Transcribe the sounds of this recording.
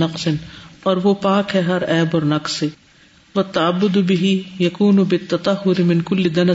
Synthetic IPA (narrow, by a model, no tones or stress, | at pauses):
nɐqsɪnɔːɾʋopaːkɦɛɦɐɾɛːbɔːɾnɐqse | wɐt̪ːɐʕɐbːʊd̪bɪɦijɐkuːnʊbɪt̪ːɐt̪ˤɐɦːʊɾɪmɪnkʊlːɪd̪ɐnɐ